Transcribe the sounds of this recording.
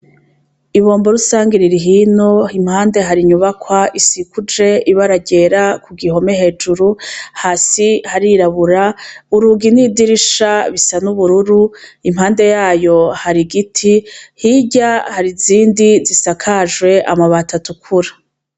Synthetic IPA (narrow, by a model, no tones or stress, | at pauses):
iβo̞ːmbo̞ɾusaːŋɡiɾiɾiɦinoim̥haːnde̞ɦaɾiɲuβakwaʔisikʰud͡ʒe̞iβaɾaɟe̞ɾakuɡiho̞meɦe̞ːd͡ʒuɾuhasihaɾiɾaβuɾauɾuɡinidiɾiʃaβisanuβuɾuɾuimhaːnde̞jaːjo̞haɾiɡitʰihiɟahaɾiziːndizisakʰaʒɡwe̞ʔa̰maβatʰatukʰuɾa